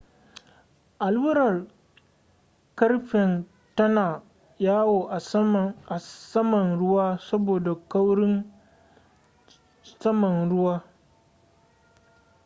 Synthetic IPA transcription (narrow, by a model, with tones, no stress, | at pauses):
ʔa˨lbʊ˦ɾɐ˨r | kɐ˦rɸɪ˨n | tɐ˦naː˨ | jaː˦woː˨ʔa˨a˨sɐ˦mɐ˨nɽʊ˦waː˦sɐ˦boː˨da˨ka˦wɽɪ˦ŋ | sɐ˦mɐ˨nɽʊ˦waː˦